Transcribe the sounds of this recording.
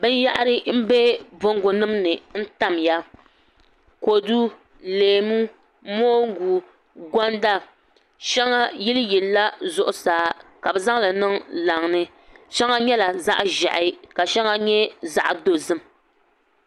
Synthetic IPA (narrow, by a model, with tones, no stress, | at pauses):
bɨ˦n˦ja˦ʔa˦ɾɨ˦m̩˦bɛ˦bʊ˦ŋ˦ɡʊ˨nɨ˦mnɨ˨n̩˦ta˦mja˦ | ko˨du˦ | leː˨mu˦ | moː˦ŋ˦ɡu˨ | ɡɔ˦nda˦ | ʃɛ˦ŋa˦ji˦lɨ˦ji˨lːa˦zʊ˦ʔʊ˨saː˨˦ka˨bɛ˨za˦ŋ˦la˨nɨ˦ŋla˨ŋnɨ˦ | ʃɛ˦ŋa˦ɲɛ˦la˨za̰˦ʔʒa˨ʔɪ˨˦ka˨ʃɛ˦ŋa˦ɲɛ˦za̰˦ʔdo˨zɨ˦m